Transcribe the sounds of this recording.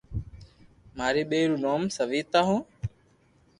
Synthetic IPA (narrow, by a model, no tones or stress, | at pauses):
maːɾiːɓeːɾuːnoːmsəʋiːt̪aːɦõː